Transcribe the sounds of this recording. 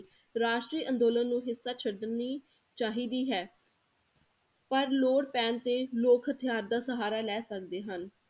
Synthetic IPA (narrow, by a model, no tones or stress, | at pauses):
ɾaːʃʈɾiːʔə̃nd̪oːlənːũːɦɪsːaːt͡ʃʰəɽd̪niː | t͡ʃaːɦiːd̪iːɦɛː | pəɾloːɽpɛːnt̪eːloːkʰət̪ʰɪjaːɾd̪aːsəɦaːɾaːlɛːsəkd̪eːɦən